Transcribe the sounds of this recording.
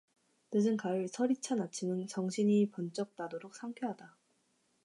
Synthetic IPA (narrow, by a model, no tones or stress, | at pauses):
nɯd͡ʑɯnkaɯɭsʰʌɾit͡ɕʰanat͡ɕʰimɯnt͡ɕʌŋɕʰiɲipʌnt͡ɕ͈ʌk̚t͈adoɾok̚s͈ʰaŋkʰeɦada